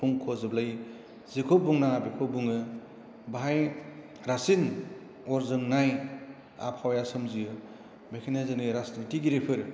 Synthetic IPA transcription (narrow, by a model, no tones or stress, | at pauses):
pʰuŋkʰozɯblaj | zikʰobuŋnabekʰobuŋɯ | baɦaj | ɾasin | ɔɾzɯŋnaj | a̰pʰawjasɯmzijɯ | bekʰinezɯnɯɾasnitiɡiɾepʰɯɾ